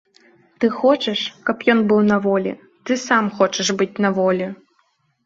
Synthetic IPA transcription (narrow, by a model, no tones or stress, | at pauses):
t̪ɨxɔt͡ʃɛʂkɐpjɔnbɨwnɐvɔlʲḭ | t̪ɨsamxɔt͡ʃɐʂbɨtʲnɐvɔlʲi